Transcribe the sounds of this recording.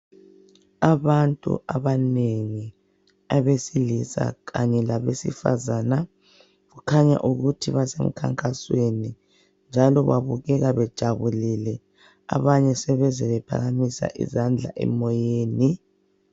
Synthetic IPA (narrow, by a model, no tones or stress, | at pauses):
aβantʼṵʔaβaneŋi | aβesilisa̰ɣa̰ɲɛlaβesḭfa̰zana | ɣukʰaɲa̰ʔuɣutʰiβasem̩kʰa̰ŋkʼasweni | nd͡ʒʱalɔβaβuɣɛɣaβɛd̥ʒ̥ʱaβulilɛ | a̰βaɲɛsɛβɛzɛβɛpʰa̰ɣamisa̰ʔḭzand͡ɮʱa̰ʔɛ̰mɔjeːni